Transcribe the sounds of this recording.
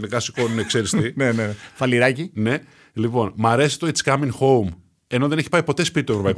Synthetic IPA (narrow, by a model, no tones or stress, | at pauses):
nekɐsi̥konnekse̞ɾist̪inenefɐliɾɐcine̞ | lipo̞nmɐɾe̞si̥t̪oit͡skɐmiŋxo̞wm | e̞no̞ðe̞neçipɐipo̞t̪e̞spit̪it̪uevɾo̞pɐik